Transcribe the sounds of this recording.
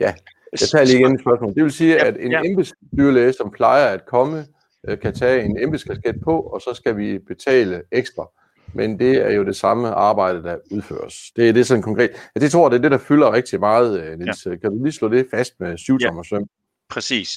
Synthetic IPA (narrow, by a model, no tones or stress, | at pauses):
jæ | jɑ̈ɪt͡sʰɑ̰ːliːiɡenːe̥sb̥ɶɐsmɔ̰ːld̥e̝ʋe̝lsiːæd̥e̝nemb̥isɡ̥ | d̥yːɐleːsɒ̽mpʰlɑ̈ɪɐæd̥kʰɒ̽mə | ʔkʰæt͡sʰɛːe̝nemb̥əsɡ̥æsɡ̥ed̥̚pʰɒ̽ɒ̽sɒ̽sɡ̥æʋib̥e̝t͡sʰɛ̰ːləeɡ̥sd̥ʁɑ | mʔend̥e̝æɐjo̝de̝sɑ̈məʔɑ̈ːb̥ɑ̈ɪ̰d̥əd̥ɑuð̞ˠfø̰ːɐsd̥e̝æɐd̥e̝sɒ̽n̩kʰɒ̽ŋkʰʁɛ̰ːd̥jæd̥et͡sʰʁo̝ɐ̰d̥e̝æɐd̥e̝d̥ɑ̈fylɐʁeɡ̥̚d̥imɑ̈ːð̞̩ˠnel̰skʰæd̥uliːslɔ̰ːd̥e̝fæsd̥mesuʊt͡sʰɒmɒsøm̰ | pʰɛsiːs